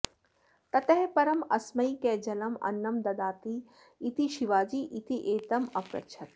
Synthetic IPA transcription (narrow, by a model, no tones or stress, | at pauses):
t̪ɐt̪ɐɦpɐɾɐmɐsmɐikɛːd͡ʒɐlɐmɐ̰nːɐmd̪ɐd̪aːt̪iː | t̪iʃiʋaːd͡ʒiʔit̪iʔeːt̪ɐmɐpɾɐ̰ʃʰɐt̪̚